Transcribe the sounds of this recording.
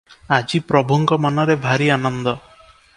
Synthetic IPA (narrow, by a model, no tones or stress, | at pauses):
ad͡ʑipɾɔbʱɔŋɡɔmanaɾebʱaɾianɔnd̪ɔ